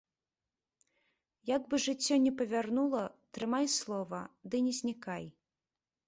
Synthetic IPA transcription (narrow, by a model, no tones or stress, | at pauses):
jaɡbɨʐɨt͡sʲːɔnʲɛpɐvʲarnulˠɐt̪ɾɨmajslˠɔvɐd̪ɨnʲɛzʲnʲikaj